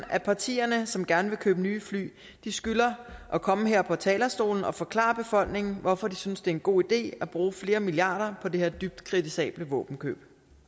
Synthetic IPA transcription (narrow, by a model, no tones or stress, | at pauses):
æpʰɑ̈t͡sʰḭːɐnəsɒ̽mɡ̥æɐnəʋe̝kʰøːb̥ənyːfly̰ː | d̥isɡ̥ylɐʔɒ̽kʰɒ̽məɦeɐ̰pʰɒ̽t͡sʰɛ̰ːlɐsd̥o̝̰ːln̩ɒ̽fɒ̽kʰlɑ̰̈ɐb̥e̝fɒ̽l̰ɡ̥ne̝ŋn̩ʋɒfɒd̥isynsd̥e̝ɐe̝nɡ̥o̝̰ːid̥e̝̰ːæb̥ʁuːfle̝ːɐmiliɑ̈ːɾ̥ɐpʰɒ̽de̝heɐ̰d̥yb̥̚d̥kʰʁit͡sʰisɛ̰ːb̥ləʋɔ̰ːb̥n̩kʰø̰ːb̥